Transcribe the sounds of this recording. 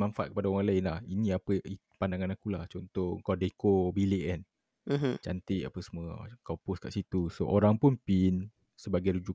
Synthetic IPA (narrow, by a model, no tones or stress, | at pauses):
manfaʔ̪̚kəpadaoɾaŋlaɪnlahinĩapəi | pandaŋanakulaht͡ʃont̪ɔəŋkawdekobilɪʔɛn̩ | t͡ʃant̪ɪʔa̰pəsmuəkawpʊskaʔsit̪usoʔoɾaŋpʊnpin | səbaɡajɾud͡ʒu